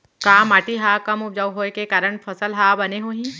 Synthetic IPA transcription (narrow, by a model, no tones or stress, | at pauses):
kaːmːaːʈiɦaːkɐmʊp̚d͡ʒaːwɦoːekekaːɾəɳpʰɐsəlɦaːbɐneɦoːɦĩ